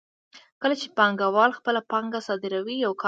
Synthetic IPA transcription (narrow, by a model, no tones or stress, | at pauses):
kəlat͡ʃepɑŋɡawɑlxpəlapɑŋɡasɑd̪ɪɾawijawkʰɑ